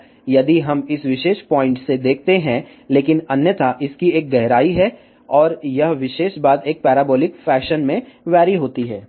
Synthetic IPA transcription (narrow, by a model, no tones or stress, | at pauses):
jɐd̪iɦɐmɪsʋɪʃeːʃpɔːɪ̃ɳʈsed̪eːk̚ʰt̪eɦɛ̃ | leːkɪnɐnjət̪ʰaʔɪskieːk̚ɡɛɦɾaːiɦɛ | ɔːɾjɐɦʋɪʃeːʃbaːd̪eːk̚pɛːɾɛːbɔːlɪkfɛːʃənmẽʋɛːɾiɦoːt̪iɦɛː